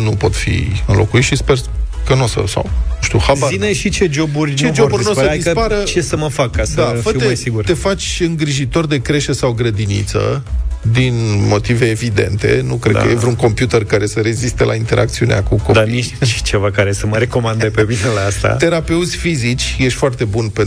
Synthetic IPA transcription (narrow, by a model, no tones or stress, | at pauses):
nupo̞t̪fḭɨnlʔo̞̰kuit̪ʃispe̞r | kənosə̰sa̰wnuʃt̪iṵhazvaziineʃit͡ʃed͡ʒo̞burʲt͡ʃed͡ʒobuɾʲnoədispaɾət͡ʃesəməfakːasəd̪afəejsiɡurt̪e̞fat͡ʃʲɨŋɡɾiʒit̪o̞rd̪e̞kɾe̞ʃesawɡɾəd̪inḭt̪sə̰d̪inmo̞t̪ive̞ːvid̪e̞̰nt̪e̞̰nukɾekə̰jevɾeuŋko̞mpjut̪erkaɾe̞səɾe̞zist̪elʔa̰int̪e̞ɾʔa̰k̚t̪siunḛa̰kukod̪niʃʃi̥t͡ʃe̞vakaɾe̞səməɾe̞ko̞mand̪epeminelaast̪a̰t̪e̞ɾape̞ut̪sʲfizit͡ʃʲjeʃʲfoart̪e̞bunpen